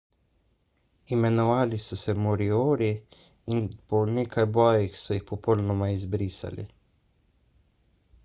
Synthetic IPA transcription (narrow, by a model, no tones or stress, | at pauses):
imɛnɔʋaːlisɔsɛmɔɾioːɾi | inpɔneːkʰajbɔːjixsɔjixpɔpɔlnɔmaizbɾiːsa̰lḭ